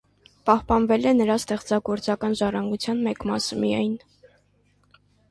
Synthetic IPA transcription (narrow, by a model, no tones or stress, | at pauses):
pɑhpɑnvɛlɛnəɾɑst̪ɛχt͡sɑɡɔɾt͡sɑkɑnʒɑrɑŋɡut͡sʰjɑnmɛkmɑsəmḭjɑ̰jn